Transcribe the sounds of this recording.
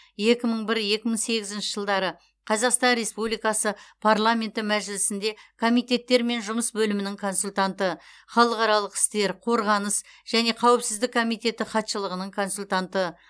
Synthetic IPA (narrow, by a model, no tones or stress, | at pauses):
je̞kʲɪməɴbɪɾje̞kʲɪməɴse̞ɡʲɪzɪnʃɪ̥ʒəlˠd̪ɑɾə | qʰɑzɑqst̪ɑnɾe̞spublijkɑsəpʰaɾlˠamʲe̞nt̪ɪmæʒɪlɪsɪnd̪e̞kʰo̞mijt̪e̞t̪ːe̞ɾme̞nʒʊməsbɵlɪmɪnɪŋkʰo̞nsulʲt̪ant̪ə | χɑlˠəqɑɾɑlˠəqɪ̥st̪e̞ɾqʰo̞ɾʁɑnəsʒ̥æne̞qʰɑwɪpsɪzd̪ɪkːʰo̞mijt̪e̞t̪ɪχɑt̪ʃəlˠəʁənəɴkʰo̞nsulʲt̪ant̪ə